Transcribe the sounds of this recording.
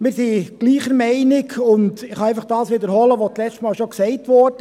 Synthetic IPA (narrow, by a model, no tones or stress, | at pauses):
mɪːɾsiɡ̥liːχəɾmɛɪnɪɡʰʊndɪχhɑæɪfɑχd̥ɑːsʋid̪əɾɦɔləʋot͡slɛstmɑːlʃɔksɛɪtʋɔɾdə